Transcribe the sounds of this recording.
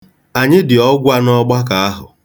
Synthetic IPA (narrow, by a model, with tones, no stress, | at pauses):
a˨ɲɪ˦dɪ˨ɔ˦ɡʷa˦nɔ˦ɡ͡ba˦ka˨a˦ɦʊ̰˨